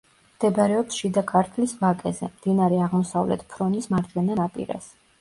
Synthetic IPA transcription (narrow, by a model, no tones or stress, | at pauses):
md̪̥ɛbɾɛɔpsʃid̪akʰʼaɾt̪ʰlisvakʼɛzɛmd̪̥inaɾɛaʁmɔsavlɛ̰t̪ʰpʰɾɔnismaɾd̪ɡɛnanapʼḭɾa̰s